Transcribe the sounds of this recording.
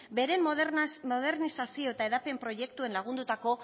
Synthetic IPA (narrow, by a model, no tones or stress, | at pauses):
be̞ɾe̞mmoðe̞ɾnisasio̞et̪ae̞ðape̞mpɾo̞je̞kt̪ue̞nlaɣ̞und̪ut̪ako̞